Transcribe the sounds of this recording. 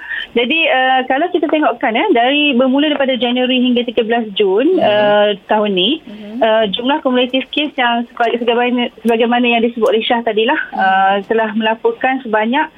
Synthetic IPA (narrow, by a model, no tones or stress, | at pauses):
d͡ʒadiəkalawkit̪at̪eŋɔʔkanədaɾibərmuladaipadad͡ʒanwəɾiɦiŋɡat̪iɡabəlasd͡ʒunət̪aɦunːĩəd͡ʒumlahkɔmulet̪ifkesjaŋsəbsəɡabasəbaɡajmanajaŋdisəbʊt̪ɾiʃaht̪adilahət̪əlahmə̃lapɔrkansəbaɲaʔ̚